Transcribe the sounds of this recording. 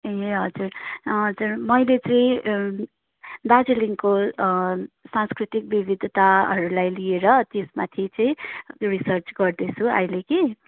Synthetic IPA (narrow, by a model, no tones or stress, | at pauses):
jeɦʌd͡zurɦʌd͡zurmʌjlet͡sʌĩ | d̪ad͡ziliŋko | sanskɾit̪ik̚bibid̪ʱt̪aʌɾulajlieɾʌt̪esmat̪ʰit͡sʌĩrisʌrt͡sɡʌrd̪et͡sʰũʌ̰jleke